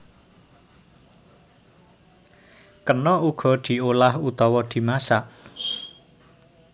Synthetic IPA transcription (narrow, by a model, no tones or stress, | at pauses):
kənɔuɡ̥ɔ̤d̪̥i̤olahut̪ɔwɔd̪̥i̤masaʔ